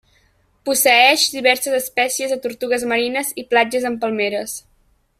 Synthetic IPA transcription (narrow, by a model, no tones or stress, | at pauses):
pusəɛʃd̪iβɛɾsəzəspɛsiəzðət̪uɾt̪uɣ̞əzməɾinəziplad͡ʒəzəmpəlˠmeɾəs